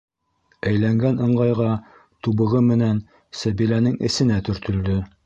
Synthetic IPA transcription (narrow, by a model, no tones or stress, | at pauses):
æjlæŋɡænɤ̆ɴɢɑjʁɑ | t̪uβɤ̆ʁɤmɘ̆næn | sæβilænɘŋɘ̰̆sɘ̆næt̪ɵ̆ɾt̪ɵ̆ld̪ɵ